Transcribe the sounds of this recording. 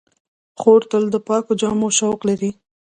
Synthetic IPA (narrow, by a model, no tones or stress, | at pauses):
xoɾt̪əld̪əpɑkod͡ʒɑmoʃawqlaɾi